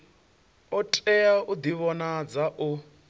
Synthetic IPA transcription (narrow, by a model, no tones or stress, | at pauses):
ɔtʼɛaud̪iβɔnad͡zaʔu